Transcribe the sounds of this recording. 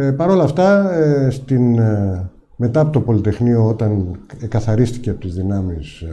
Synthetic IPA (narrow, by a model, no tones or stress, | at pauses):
pɐɾo̞lɐft̪ɐst̪in | me̞t̪ɐɐpot̪opo̞lit̪e̞xnio̞o̞t̪ɐneŋkɐθɐɾist̪i̥cepot̪izðinɐmis